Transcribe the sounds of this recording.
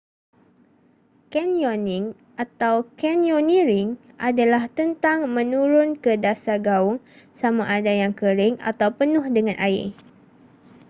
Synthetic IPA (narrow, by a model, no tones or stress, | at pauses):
kɛnjoniŋ | ʔat̪awkɛnjonĩɾɪŋ | ʔadalaht̪ənt̪aŋmə̃nũɾʊnkədasaɡaʊŋ | samaʔadajaŋkəɾɪŋa̰t̪awpənʊhdəŋãnʔaɪ̰